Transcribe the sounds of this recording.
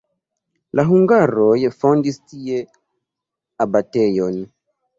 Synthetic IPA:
laɦuŋɡaɾɔjɛfɔndistijɛ | abatɛjɔni

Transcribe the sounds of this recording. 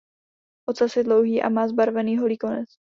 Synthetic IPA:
ʔot̪t͡sasjɛdlowɦiːʔa̰maːzbaɾvɛniːɦolikonɛt͡s

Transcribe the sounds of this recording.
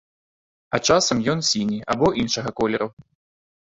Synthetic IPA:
ɐt͡ʂasɐmjɔnsʲinʲiʔa̰bɔʔinʂɐɣɐkɔlʲɛɾɐw

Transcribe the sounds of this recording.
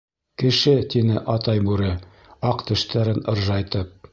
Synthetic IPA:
kɘ̆ʃɘt̪inɘʔɑt̪ɑjbʉɾɘ | ɑqt̪ɘ̆ʃt̪æɾɘnɤ̆ɾʒɑjt̪ɤp̚

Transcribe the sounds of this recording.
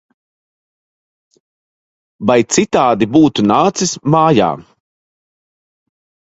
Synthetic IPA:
bajt̪sit̪aːd̪ibuːt̪unaːt̪sismaːja̰ː

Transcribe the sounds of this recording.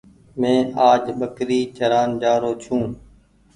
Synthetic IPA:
mẽːaːd͡ʒɓəkɾiːt͡ʃəɾaːnd͡ʒaːɾoːt͡ʃʰũː

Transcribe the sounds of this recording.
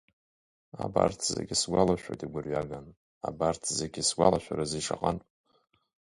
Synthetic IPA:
abartʰzḛɡʲisɡʷalaʃᶣʷojtʼiɡʷʊrɥaɡan | abartʰzeɡʲisɡʷalaʃʷᶣaɾaziʂaqʼan

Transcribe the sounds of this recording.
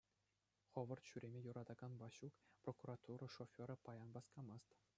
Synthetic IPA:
χɤ̆ʋɤ̆rt̪ɕyɾʲemʲejuɾɑd̪ɑɡɑnbɑɕukprokurɑt̪uɾɤ̆ʂofʲoɾɤpɑjɑnbɑskɑmɑst̪

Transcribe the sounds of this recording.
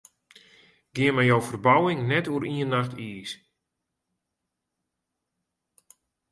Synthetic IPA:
ɡ̥ɪəmɛjowfərbawɪŋnɛtuəɾʔiənːaxtʰiːs

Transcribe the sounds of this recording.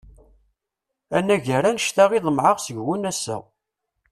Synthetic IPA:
ænːæʝəɾænəʃt̪æʁiðˤəmʕəʁsəʝːunæsːæ̰

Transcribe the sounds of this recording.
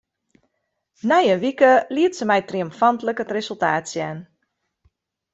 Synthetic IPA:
nɛjənʋikəliətsəmɛjtriəmfantləkətresəlˠta̰ːtsjɛn

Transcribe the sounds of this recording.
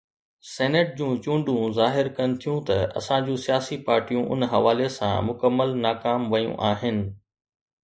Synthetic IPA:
sɛːneʈ̚d͡ʑũːt͡ɕũːɳɖũzaːɦɪɾkɐnɪt̪ʰijũt̪ɐɐ̰sãd͡ʑũːsijaːsipaːɾʈijũʔʊ̰nɦɐʋaːlesã̰mʊkəmːəlnaːkaːmʋɐjṵ̃ʔaːɦɪnɪ̆

